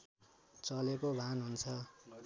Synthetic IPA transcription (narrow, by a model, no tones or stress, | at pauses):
t͡sʌlekobʱanɦunt͡sʰʌ